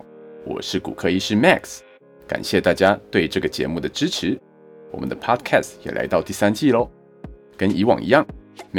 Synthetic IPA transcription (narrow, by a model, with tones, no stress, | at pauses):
wɔ̰˨˩ʂɻ̩˥˩kṵ˨˩kʰɤ˥˧i˥˧ʂɻ̩˥˧ma˥˩ks | ka̰˨˩nɕjɛ˥˧t̪a˥˩t͡ɕja˥t̪we˥˩ɪʈ͡ʂɤ˥˩ɡə˩t͡ɕjɛ̰˧˥mu˥˩d̪ə˩ʈ͡ʂɻ̩˥ʈ͡ʂʰɻ̩˧˥ | wɔ̰˨˩mə̰˦nd̪ə˧pʰɑ˥d̪kʰæ˥˩stjɛ̰˨˩la˧˥ɪt̪ɑ˥˧ʊt̪i˥˩sa˥nt͡ɕi˥˧lo˧ | kə˥ni˧˥wɑ̰˨˩ŋʔḭ˧˥jɑ˥˩ŋ